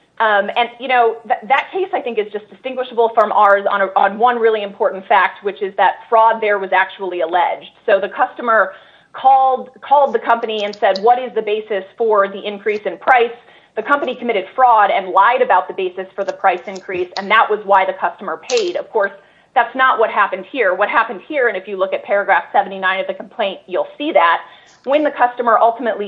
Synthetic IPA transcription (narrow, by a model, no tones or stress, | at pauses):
ɨ̃njɨñoʊðɨðɨt̚kʰeɪsaɪθɪ̃ŋkɨzd͡ʒʌsd̥ɨstɪ̃ŋɡwɨʃəbl̩ˠfʌ̃mʔɑɹzn̩n̩wʌ̃nɹɪlˠiɨ̃mpʰɔɹʔn̩tfæk̚t̚wɨt͡ʃɨzðɨtfɹɔd̪̚ðə˞wʌzæk̚t͡ʃul̩ˠiəlɛd͡ʒd̥soʊðɨkʰʌstəmə˞ | kʰɔlˠd̪̚kʰɔlˠd̪̚ðɨkʰʌ̃mpɨniɨ̃nsɛd̚wʌɾɪzðɨbeɪsɨsfə˞ðiʔɪ̃nkʰɹ̥isɨ̃npʰɹ̥aɪs | ðɨkʰʌ̃mpɨñikʰəmɪɾɨd̥fɹɔɾɨ̃nlaɪɾɨbaʊt̪̚ðɨəbeɪsɨsfə˞ðɨpʰɹ̥aɪsɨ̃nkʰɹ̥isɨ̃nðəʔwʔʌzwaɪðɨkʰʌstəmə˞pʰeɪɾʌv̥kʰɔɹs | ðætsnəʔ̚wʌt̚ɦæpɨ̃n̩d̥̚hiɹwʌt̚ɦæpɨ̃n̩d̥̚hiɹɨ̃nɨfjɨlʊkɨt̚pʰɛɹɨɡɹæfsɛṽn̩tinãɪ̃nʌvðɨkʰm̩pʰl̥ẽɪ̃nʔjulˠsiðæt̚ | wɨ̃nðɨkʰʌstəmə˞ʔʌlˠtəmɨtʔˡli